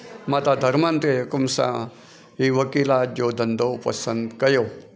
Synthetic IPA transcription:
mat̪ad̪ʱɐɾmant̪ekumsã̰ | ɦiʋəkilad͡ʒod̪ʱənd̪ʱopɐ̰sənd̪kɐjo

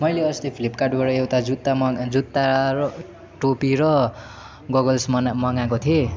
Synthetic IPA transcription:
mʌjleʌst̪ipʰilipkaɖbʌɽʌewt̪ad͡zut̪ːamd͡zut̪ːaɾʌ | ʈopiɾʌ | ɡʌɡʌlsmʌnmʌŋakot̪ʰie

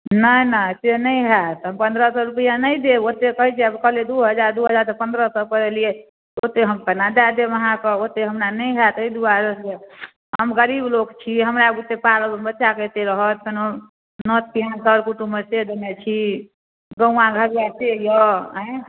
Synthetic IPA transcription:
nənət̪enəjɦat̪ɦəmpənd̪ɾəsəɾupəjanəjd̪eot̪ekəɦid͡ʒeəbkəɦled̪uɦəd͡ʒaɾd̪uɦəd͡ʒaɾt̪ɔpənd̪ɾəsɔpəɾelie | ot̪eɦəmkənad̪ad̪eməɦãkəot̪eɦəmɾanəjɦat̪əid̪uaɾəje | ɦəmɡəɾiblokt͡ʃʰiɦəmɾaɡut̪ːepalbbətːʃaket̪eɾəɦət̪̚keno | nət̪kiɦãnsəɾkuʈumesed̪emet͡ʃʰi | ɡə̃ũãɡʱəbjat̪ejəɦə̃j

